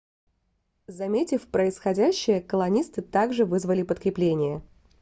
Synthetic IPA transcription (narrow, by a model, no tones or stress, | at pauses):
zɐmʲetʲɪfpɾəɪsxɐdʲæɕːɪjəkəlˠɐnʲist̪ɨt̪aɡʐɨvɨzvəlʲɪpət̪kɾʲɪplʲenʲɪjə